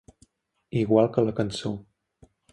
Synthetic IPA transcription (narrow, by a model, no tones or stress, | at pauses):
iɣwalˠkələkənso